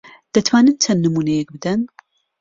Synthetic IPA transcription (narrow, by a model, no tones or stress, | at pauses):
d̪̥ɐt̪ʰwaːnɨnt͡ʃʰɐnːɨmuːnɛjɛk̚bɨd̪ɐn